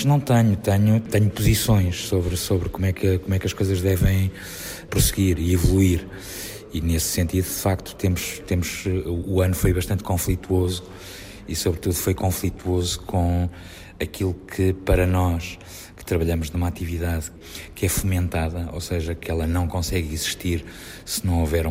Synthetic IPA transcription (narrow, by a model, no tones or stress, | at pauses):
ʒnɐ̃w̃t̪ɐɲut̪ɐɲut̪ɐɲupuzisõj̃ʃsoβɾsoβɾkomwɛkɐkomwɛkɐʃkojzɐʒðɛvɐ̃j̃ | pɾusɨɣiɾiivulˠuiɾ | inessẽnt̪iðuðɨfakt̪u̥t̪emuʃt̪emuʃuːɐnufojβɐʃt̪ɐ̃nt̪kõflˠit̪wozu | isoβɾɨt̪uðufojkõflˠit̪wozukʰõ | ɐkilˠukʰɨpɐɾɐnɔʃ | kɨ̥t̪ɾɐβɐʎɐmuʒnumat̪iviðað | kɛfumẽnt̪aðɐo̰seʒɐkɛlˠɐnɐ̃w̃kõsɛɣiziʃt̪iɾ | sɨnɐ̃w̃ovɛɾ